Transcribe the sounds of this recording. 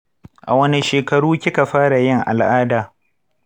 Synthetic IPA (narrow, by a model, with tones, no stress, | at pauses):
ʔa˨wɐ˦ni˦ʃeː˨kɐ˨ɽuː˦kʲɪ˦ka˨ɸaː˦ɽa˨jɪ˦ŋʔa̰˨lʔaː˦daː˨